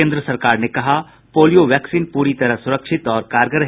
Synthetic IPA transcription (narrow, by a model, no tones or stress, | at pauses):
ẽːnd̪ɾəsɐɾkaːɾnekɐɦa | poːlijoʋjɛːksiːnpuːɾit̪ɐɾəɦsʊɾəkʃɪt̪ɔːɾkaːɾɡəɾɐ